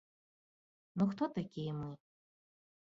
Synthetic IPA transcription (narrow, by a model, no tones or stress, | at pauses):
noxt̪ʰot̪ʰakʲijɛmɨ